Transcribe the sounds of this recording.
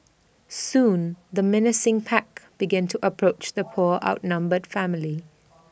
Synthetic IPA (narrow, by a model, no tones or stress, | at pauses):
sũːnðəmɪnɪsɪ̃ŋpʰækb̥ɪɡæ̃ntʰəʔəpʰɹ̥oʊt͡ʃðəpʰɔɹʔa̰ʊtnʌ̃mbəd̥fæmɪli